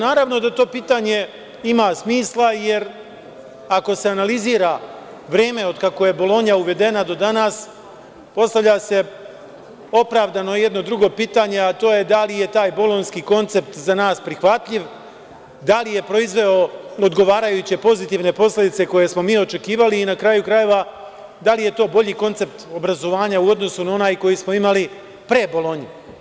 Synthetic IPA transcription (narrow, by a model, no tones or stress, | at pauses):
naːɾaʋno̞d̪at̪o̞ːpiːt̪aɲe̞ | imasmiːslˠaje̞ɾ | ako̞se̞analiziːɾa | ʋɾeːme̞o̞d̪kako̞je̞bo̞lˠo̞ɲauʋe̞d̪e̞nad̪o̞d̪anas | po̞st̪aʋʎʲase̞ | o̞pɾaːʋd̪ano̞je̞d̪no̞d̪ɾuɡo̞ːpiːt̪aɲe̞at̪o̞ːje̞d̪alije̞t̪aːjbo̞lo̞nskiːko̞nt̪se̞p̚t̪zanaːspɾixʋat̪ʎiʋ | d̪alije̞pɾo̞izʋe̞o̞od̪ɡo̞ʋaːɾajut͡ɕe̞po̞zit̪iʋne̞po̞sle̞d̪it̪se̞ko̞je̞smo̞miːo̞t͡ʃe̞kiːʋaliːnakɾajukɾaje̞ʋa | d̪alije̞t̪o̞ːbo̞ʎiːko̞nt̪se̞pt̪o̞bɾazo̞ʋaːɲauo̞d̪no̞sunao̞naːjko̞jismo̞imali | pɾebo̞lo̞ɲi